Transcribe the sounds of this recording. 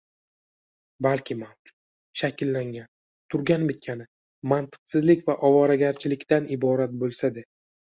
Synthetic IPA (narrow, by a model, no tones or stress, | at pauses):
balkʲʰɪmawd͡ʒʊ̥t̪̚ | ʃakʲɪlːaŋɡʲan | t̪ʰʊɾɡʲanbɪt̪̚kʲʰanɪ | mant̪ʰɨ̥qsɪzlɪkʲvaʔɒvɒɾaɡʲaɾt͡ʃʰɪlɪkʲt̪anɪbɒɾat̪̚bolˠsad̪e